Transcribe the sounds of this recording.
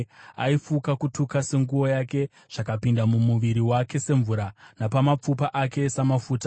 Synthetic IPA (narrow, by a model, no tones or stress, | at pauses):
a̰ifukakutukase̞ŋɡuwo̞jake̞ | ʐ̥akapindamumuʋiɾiwake̞se̞ɱvuɾanapamap͡fupaʔake̞samafuːta